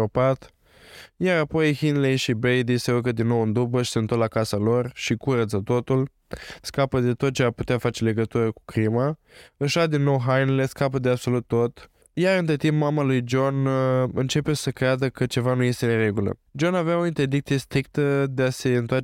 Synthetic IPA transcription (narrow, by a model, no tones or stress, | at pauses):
opat̪ | jaɾapo̞jhinlejʃibɾejd̪iseukəd̪inːo̞wɨnd̪ubəʃi̥seɨnt̪olakasalo̞rʃikuɾət̪sət̪o̞t̪ul | skapəd̪e̞t̪ot̪̚t͡ʃe̞aput̪eafat͡ʃe̞le̞ɡət̪uɾəku̥kɾima | ɨʃad̪inːo̞wɦajnele̞skapəd̪eabso̞lut̪ːo̞t̪ | jaɾɨnt̪ɾet̪impmamalujd͡ʒo̞nɨnt͡ʃe̞pe̞səkɾead̪əkət͡ʃe̞vanuje̞st̪e̞ne̞ɾe̞ɡulə̰ | d͡ʒo̞naveao̞int̪erd̪ikt̪sije̞st̪ɾik̚t̪əd̪e̞ase̞ɨnt̪oa